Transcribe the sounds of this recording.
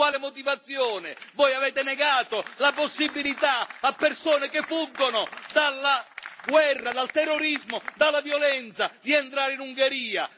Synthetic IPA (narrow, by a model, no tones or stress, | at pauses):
waːlɪmot̪ivat̪sːjɔːnɪvɔjaveːt̪ɪnɛɡaːt̪olaposːibːilit̪aapːersoːnɪkɪfːuɡːonʊd̪alːaɡwɛrːad̪alt̪ɛrːoɾizmod̪alːavjɔlɛnt̪sad̪iɛnt̪ɾaːɾɪinuŋɡeɾiːa̰